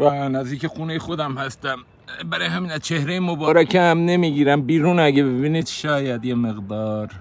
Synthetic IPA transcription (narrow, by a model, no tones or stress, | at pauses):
vænæzd̪iːcexuːnejexod̪æmhæst̪æm | bæɾɒːjeɦæmiːnæzt͡ʃʰehɾejemobɒɾækʰeæmne̞miːɡiːɾæmbiːɾuːnæɡebebinid̪ʃɒːjæd̪jemeɣd̪ɒːɾ